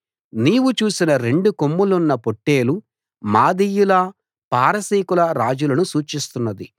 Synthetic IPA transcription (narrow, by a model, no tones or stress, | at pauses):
niːʋut͡ʃuːsinɐɾe̞ɳɖukomːulunːɐpoʈːe̞ːlu | maːd̪ijulɐ | paːɾɐsiːkulɐɾaːd͡ʒulɐnusuːt͡ʃist̪unːɐd̪i